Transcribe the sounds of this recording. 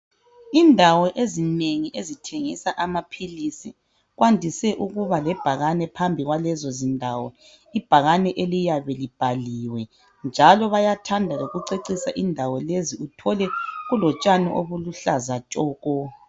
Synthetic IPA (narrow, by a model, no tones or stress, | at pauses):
indʱawɔʔezineŋiʔezitʰeŋisaʔamapʰilisi | ɣwandʱisɛʔuɣuβalɛb̥ʱaɣanɛpʰambʱiɣwalɛzɔzindʱawɔ̰ | ib̥ʱaɣanɛʔelijaβɛlib̥ʱaliwɛ | nd͡ʒʱalɔβajatʰandʱaɣoɣuǀeǀisa̰ʔindʱawɔleziutʰɔlɛɣulɔt͡ʃʼanɛ̰ʔoβuluɬazat͡ʃʼɔːɣɔ